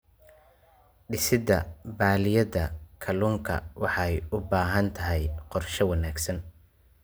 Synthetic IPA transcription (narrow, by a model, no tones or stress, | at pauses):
ɖɪsɪd̪ɐbaːlɪjɐðɐkʰɐluːŋkʰɐ̰wɑħɑjʊbaːɦɐnt̪ʰɐɦɛjqɔrʃɔwɑnaːɡsɐn